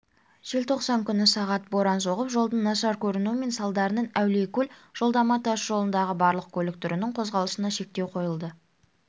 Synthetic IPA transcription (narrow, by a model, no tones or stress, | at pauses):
ʒ̥e̞lt̪ʰo̞qsɑŋkʲʰʏnɪsɑʁɑt̪̚bo̞ɾɑnso̞ʁəpʒo̞lˠd̪ənnːɑʃɑɾkʲʰɵɾɪnuɪme̞nsɑlˠd̪ɑɾənənæwlekʲʰɵlʒ̥o̞lˠd̪ɑmɑt̪ɑsʒo̞lˠənd̪ɑʁəbɑɾlˠəq̚kʲʰɵlɪk̚t̪ʰʏɾɪnɪŋqʰo̞zʁɑlˠəsənɑʃe̞k̚t̪e̞wqʰo̞jəlˠd̪ə